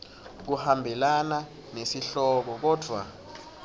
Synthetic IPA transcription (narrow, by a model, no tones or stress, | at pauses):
k̬uhambʱɛlana | nesiɬɔk̬ɔk̬ɔːd̥ʱwa̰